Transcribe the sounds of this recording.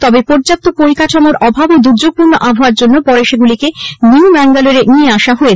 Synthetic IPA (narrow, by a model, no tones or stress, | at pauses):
t̪ɔbepoɾd͡ʑap̚t̪opoɾikaʈʰamoɾʔɔbʱabod̪uɾd͡ʑoɡ̚puɾnːoʔabʱaoaɾd͡ʑonːopɔɾeʃeɡulikemiubɛŋɡaloɾenieaʃaɦoe